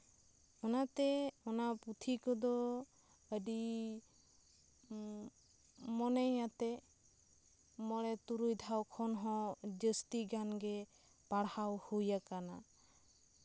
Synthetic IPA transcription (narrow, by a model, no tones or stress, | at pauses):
ɔnat̪ɛɔnaput̪ʰikɔd̪ɔ | əɖi | mɔnəjat̪ɛ | mɔɽɛt̪uɾujd̪ʱawkʰɔnɦɔ̃d͡ʒəst̪iɡanɡɛ | paɽhawhujakana